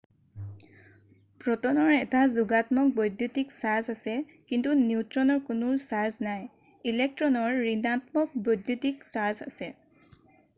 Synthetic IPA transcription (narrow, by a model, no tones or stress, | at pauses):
pɹɔtɔnɔɹɛtazuɡatmɔk̚bojdjutiksaɹzasɛ | kintunitɹɔnɔɹkʊnʊsaɹznaj | ilɛk̚tɹɔnɔɹːinatmɔk̚bɔjdjutiksaɹza̰sɛ